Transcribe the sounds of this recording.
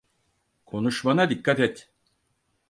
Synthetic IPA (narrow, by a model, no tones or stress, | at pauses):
kʰo̞nuʃmanad̪ikːat̪ɛt̪